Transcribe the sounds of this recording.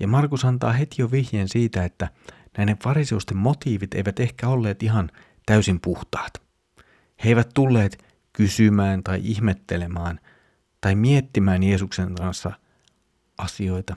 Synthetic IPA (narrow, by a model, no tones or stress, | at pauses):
jɑ̰mɑrkusɑnt̪ɑːɦe̞t̪ijoʋihjeːnsiːt̪æe̞t̪ːæ | næineʋfɑɾise̞ust̪emːo̞t̪iːʋit̪e̞̰jʋæt̪ehkæo̞lːe̞ːt̪iɦɑn | t̪æysimpuht̪ɑ̥ːt̪ | hejʋæt̪t̪ulːe̞ːt̪ | kysymæːnt̪ɑjʔihmet̪ːe̞le̞mɑːn | t̪ɑimiet̪ːimæːnje̞ːsukseŋkɑnsːɑ̰ | ʔɑsio̞jt̪ɑ